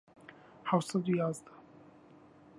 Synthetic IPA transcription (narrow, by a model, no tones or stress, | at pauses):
hawsad̪ujazd̪a